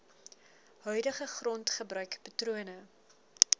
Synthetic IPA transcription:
ɦœɥdəχəχrɔntχəbrœɥkpɐtruənə

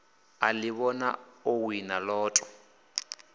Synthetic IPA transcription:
alɪβɔna̰owinalɔːtʼɔ̥

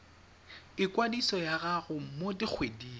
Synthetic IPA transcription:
ɪkwadisɔjaɣaɣʊmodik͡xʰwediː

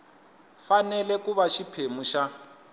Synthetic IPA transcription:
fanɛlɛkuβaʃipʰemuʃa

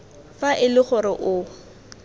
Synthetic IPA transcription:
faʔɪlɪχʊɾɪʔʊ

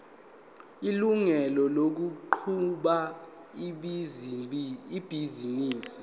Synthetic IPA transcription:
iluŋɛlɔlok̬uǃʰuɓa | iɓ | ib̥ʱiziniːsi̥

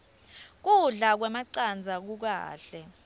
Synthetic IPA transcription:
k̬uɮak̬wɛmaǀand͡zʱak̬uk̬a̰ːɬɛ

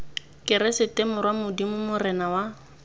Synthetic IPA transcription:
kʼɪɾɛsɪtʼɛmʊrwamʊdimʊmʊrɛnawa

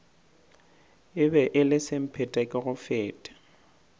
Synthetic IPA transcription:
ɪbɛʔɪlɪsɪm̩pʰɛtʼɛkʼɪɣʊfɛːtʼḁ

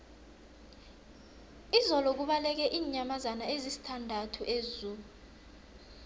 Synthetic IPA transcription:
izɔlɔk̬uɓalɛk̬ɛʔiːɲamazanaezisi̥tʰandʱatʰuʔezuu

